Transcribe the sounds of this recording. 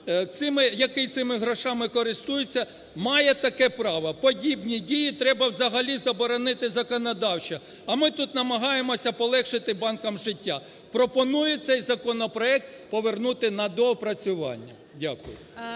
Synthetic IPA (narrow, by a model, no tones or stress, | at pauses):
t̪sɪmɪjɐkɪjt̪sɪmɪɦɾɔʃɑmɪkɔɾɪst̪ujʊt͡sʲːɐ | mɑjɛt̪ɐkɛpɾɑʋɐpɔdʲibnʲidʲijit̪ɾɛbɐwzɐɦɐlʲizɐbɔɾɔnɪt̪ɪzɐkɔnɔd̪ɑwt͡ʃɐ | ɐmɪt̪ut̪nɐmɐɦɑjemɔsʲɐpɔlˠɛkʃɪt̪ɪbɑnkɐmʒɪtʲːa | pɾɔpɔnujɛt̪sɛjzɐkɔnɔpɾɔɛk̚t̪ | pɔʋernut̪ɪnɐd̪ɔpɾɐt͡sʲʊʋɑ̰nʲːɐ | dʲakʊjʊ̰